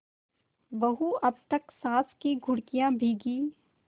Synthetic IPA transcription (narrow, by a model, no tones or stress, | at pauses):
ʋɐɦuɐb̚t̪ɐksãːskiɡʱʊɽkijãbʱiɡiː